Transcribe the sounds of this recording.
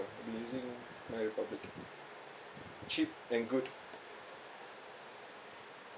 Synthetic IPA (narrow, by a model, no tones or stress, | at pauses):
bijuzɪ̃ŋ | maɹipablɪk | t͡ʃip̚ɛ̃nɡud